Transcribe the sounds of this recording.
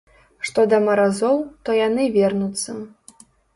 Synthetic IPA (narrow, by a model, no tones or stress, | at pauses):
ʂt̪ɔd̪ɐmɐɾazɔwt̪ɔjanɨvʲɛrnut̪sːɐ